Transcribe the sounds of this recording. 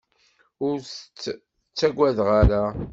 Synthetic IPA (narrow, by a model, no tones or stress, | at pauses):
ʊɾs | t͡sːæɡʷæðʁaɾæ